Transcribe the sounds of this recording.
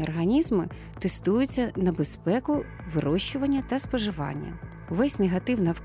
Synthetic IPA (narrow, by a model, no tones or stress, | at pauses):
ɔrɦɐnʲizmɪ | t̪est̪ujʊt͡sʲːɐnɐbespɛkʊ | ʋɪɾɔʃːʊʋɐnʲːɐt̪ɐspɔʒɪʋɑ̰nʲːɐ̰ | ʋɛsʲneɦɐt̪ɪwnɐw